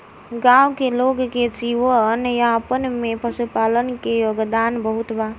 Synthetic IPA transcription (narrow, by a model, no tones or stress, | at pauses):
ɡãwkeloɡket͡ʃiʋəənjapənmepəsəpaːlənkejoɡd̪aːnbəɦut̪ba